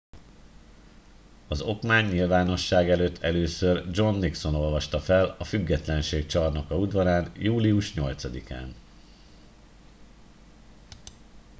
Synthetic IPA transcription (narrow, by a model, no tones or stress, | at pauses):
ɒzo̞kmaːɲːilvaːno̞ʃːaːɡɛløːt̪ʰːɛløːsørd͡ʒo̞nːikso̞no̞lvɒʃt̪ɒfɛlɒfyɡːɛt̪lɛnʃeːk̚t͡ʃɒrnɒkɒud̪vɒɾaːnjuːliuʃɲo̞lt̪sɒd̪ika̰ːn